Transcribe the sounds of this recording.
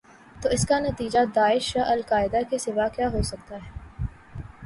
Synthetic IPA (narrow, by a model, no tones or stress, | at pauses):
t̪oːɪskanɐt̪iːd͡ʒad̪aːɪʃjaʔɐlkaːɪd̪akesɪʋaːkjaːɦosɐk̚t̪aɦɛː